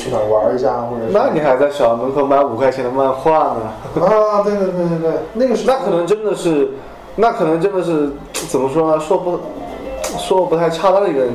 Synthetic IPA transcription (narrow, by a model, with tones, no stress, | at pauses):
y˥˩a˨˩wa˧˥ə˞˥˧ɕja˥xwɔ˥˩ʈ͡ʂə˨˩na˥˩ni˨˩xa˧˥ɪt͡sa˥˩ɪɕjɑ˨˩ʊnə˧˥kʰo˧˥ʊ˧ma˥˩nu˨˩kʰa˥ɪt͡ɕʰjɛ˥nd̪ə˧ma˥˧nxwa˥˩nə˨˩a˥˧t̪we˥˧t̪we˥˧t̪we˥˧ɪt̪we˥˧˩t̪we˥˩na˥˩ɡə˩ʂna˥˩kʰɤ˨˩nɤ˧˥ŋʈ͡ʂə˥nd̪ə˨ʂɻ̩˥˩ | na˥˩kʰɤ˨˩nɤ˧˥ŋʈ͡ʂə˥nd̪ə˨ʂ̬ɻ̩˥˩ | t͡sə˨˩mə˦ʂwɔ˥lə˧ʂwɔ˥˧pu˥ | ʂwɔ˥lə˧pu˧˥t̪ʰa˥˧ɪʈ͡ʂʰa˥˧t̪a˥d̪ə˩˧i˧˥ɡə˧ə˧˩